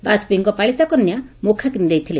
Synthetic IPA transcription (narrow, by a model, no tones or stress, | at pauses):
basbiŋkɔpaɭit̪akɔnjamokʰakinid̪ejt̪ʰile